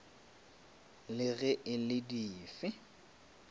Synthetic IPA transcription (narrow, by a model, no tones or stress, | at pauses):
lɪɣɛʔɪlɪdiːfɪ